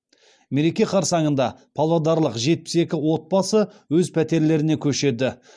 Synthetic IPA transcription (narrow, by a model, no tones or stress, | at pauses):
me̞ɾe̞kʲe̞qʰɑɾsɑɴənd̪ɑpʰɑlˠɑd̪ɑɾlˠəqʒe̞t̪̚pɪ̥se̞kʲɪwo̞t̪̚bɑsəwɵzpʰæt̪e̞ɾle̞ɾɪne̞kʲʰɵʃe̞d̪ɪ